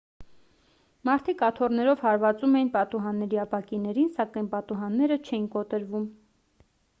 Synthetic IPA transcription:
mɑɾt̪ʰikɑt̪ʰɔrnɛɾɔvhɑɾvɑt͡sumɛjinpɑt̪uɦɑnːɛɾiɑpɑkinɛɾinsɑkɑjnpɑt̪uɦɑnːɛɾət͡ʃʰɛjinkɔt̪əɾvum

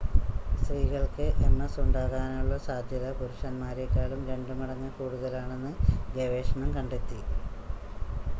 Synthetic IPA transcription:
st̪riːɣɐɭkɨʔenːɐsuɳɖaːɣaːnuɭːɐsaːd̪ʱjɐðɐpuɾuʂɐnmaːɾjekːaːlumɾe̞ɳɖumɐɽɐɲːɐkuːɽuðɐlaːɳe̞nːɨɡeʋe̞ːʂɐɳɐmkɐɳɖet̪ːi

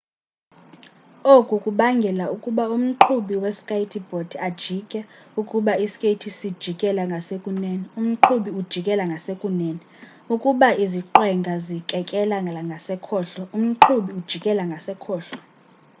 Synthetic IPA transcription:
okʼukʼuɓaŋɡʱɛlaukʼuɓaum̩ǃʰuɓiwɛskʼajtʰib̥ʱod̥ʰiad̥ʒ̥ʱikʼɛukʼuɓaiskʼetʰisid̥ʒ̥ʱikʼɛlaŋɡʱasekʼunɛːnium̩ǃʰuɓiud̥ʒ̥ʱikʼɛlaŋɡʱasekʼunɛːnɛ | ukʼuɓaiziǃwɛŋɡʱazikʼɛkʼɛlaaŋɡʱasɛkʰɔːɬɔum̩ǃʰuɓiud̥ʒ̥ʱikʼɛlaŋɡʱasɛkʰɔːɬɔ̥

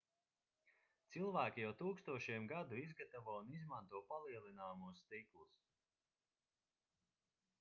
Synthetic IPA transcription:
t̪silˠvæːkʲijawt̪uːkst̪uɔʃiɛmɡad̪uizɡat̪avuɔunizmant̪uɔpalˠiɛlˠinaːmuɔst̪iklˠus

